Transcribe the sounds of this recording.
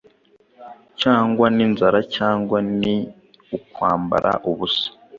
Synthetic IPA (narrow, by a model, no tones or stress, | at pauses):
caːŋɡwaninzaɾacaːŋɡwani | ukwaːmba̰ɾʔa̰ʔuβusḁ